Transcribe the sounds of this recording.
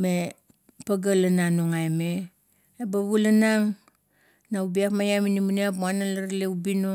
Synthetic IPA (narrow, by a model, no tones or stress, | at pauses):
me | paɡalananoŋajmeː | baβulanaŋ | naubiapmajaminimuneap̬muanalaɾleubino